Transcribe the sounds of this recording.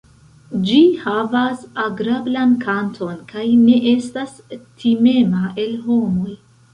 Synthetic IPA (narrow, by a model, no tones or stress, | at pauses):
d͡ʒihavasaɡɾablankʰantʰo̞nkajne̞ʔestas | tʰime̞maʔe̞lɦo̞mo̞j